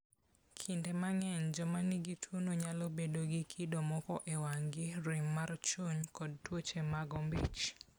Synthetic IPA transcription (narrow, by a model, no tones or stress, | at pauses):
kʰɪndemaŋɛɲd͡ʒɔmanɪɡitʰwonoɲalobedoɡɪkʰɪdomɔkɔʔewaŋɡɪɾɪmːart͡ʃoɲkɔd̚twot͡ʃemaɡɔmbit͡ʃ